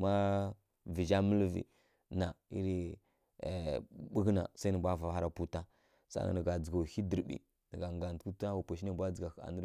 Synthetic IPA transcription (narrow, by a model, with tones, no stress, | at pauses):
ma˦ | vi˨d͡ʒa˦mə˦lvḭ˨ | na˨i˦ɾi˦˨ | ɓə˦ɡna̰˨sa˦nə˨bʷa˦˨va˨ha˦ɾa˨pu˦ta˦ | sa̰˦na̰˨nə˨ɡa˨d͡zə˨ɡa˨hi˦di˨ɾbḭ˨ | nə˨ɡa˨ŋɡa˨n˨tku˦ta˦wa˨pa˨ʃi˦na˦˨bʷa˦d͡zə˨ɡa˨a̰˨nə˦ɾ